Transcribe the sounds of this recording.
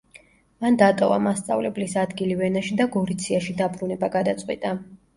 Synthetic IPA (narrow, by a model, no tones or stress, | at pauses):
mand̪at̪ʼɔva̰mast̪sʼa̰vlɛblisad̪ɡilivɛnaʃid̪aɡɔɾit̪sʰiaʃid̪abɾunɛbaɡad̪at̪sʼqʼwit̪ʼa